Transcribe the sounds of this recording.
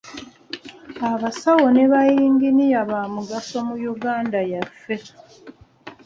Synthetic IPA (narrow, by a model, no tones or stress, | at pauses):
aβasawo̞ne̞βajiːŋɡinijaβamuɡaso̞mujuɡaːndajafːe̞